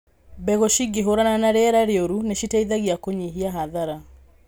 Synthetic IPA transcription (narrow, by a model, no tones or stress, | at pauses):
bɛɣoʃiɡeɦoɾananaɾeɛɾaɾeoɾuneʃitaiðaɣiakoɲiɦiaɦaðaɾa